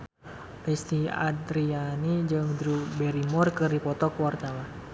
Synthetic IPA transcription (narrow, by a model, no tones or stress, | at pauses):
list̪ia̰d̪ɾianid͡ʒɨŋd̪ɾubɛɾimɔrkɨrdipɔt̪ɔkuwart̪awa